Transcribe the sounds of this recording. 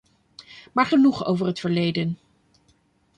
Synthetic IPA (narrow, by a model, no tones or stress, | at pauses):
maːɹχənuχo̰wvəɹɦətfəɹlejdən